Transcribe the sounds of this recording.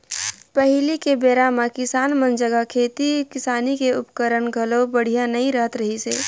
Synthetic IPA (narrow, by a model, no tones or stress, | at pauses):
pəɦlikebeːɾamãkɪsaːnmə̃nd͡ʒəɡakʰeːt̪ikɪsaːnikeʊpkəɾəɳɡʱəlobəɽ̤ijanɐɦĩɾəɦət̪ɾəɦiseː